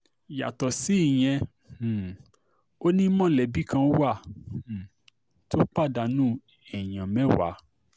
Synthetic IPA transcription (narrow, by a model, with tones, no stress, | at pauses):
ja̰˨tɔ˨si˨˦i˦˨j̃ɛ̃˧˨ | o˦nĩ˦mɔ̃˦˨lɛ˨bi˦kã˧˦wã˦˨ | to˦k͡pa˦˨da˨nũ˦ | ɛ˨j̃ã˨mɛ̃˨˦wa̰˨˦